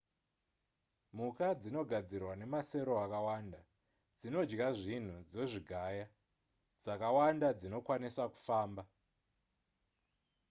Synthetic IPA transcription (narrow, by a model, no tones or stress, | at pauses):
mukad͡zino̞ɡʱad͡zirwane̞mase̞ɾo̞akawaːnda | d͡zino̞d͡ʒɡaʐin̤ud͡zo̞ʐiɡʱaja | d͡zakawandad͡zino̞kwanisaku̥faːmba